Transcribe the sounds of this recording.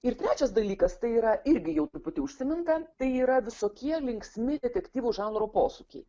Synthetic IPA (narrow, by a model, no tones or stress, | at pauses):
ɪɾt̪ʲɾʲæːt͡ʃʲɛsd̪ɐlʲiːkɐst̪ɐɪiːɾɐʔɪɾʲɡʲɪjɛʊt̪ʊpʊt̪ʲɪʊʃʲsʲɪmʲɪnt̪ɐt̪ɐɪiːɾɐʋʲɪsoːkʲiɛlʲɪŋksʲmʲɪd̪ʲɛt̪ʲɛkʲt̪ʲiːʋuʒɑːnɾoːpoːsuːkʲɛ̰ɪ